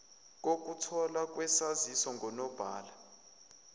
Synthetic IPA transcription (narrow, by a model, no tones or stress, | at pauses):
k̬ok̬utʰɔlak̬ʼwɛsazisɔŋɡʱɔnɔb̥ʱaːla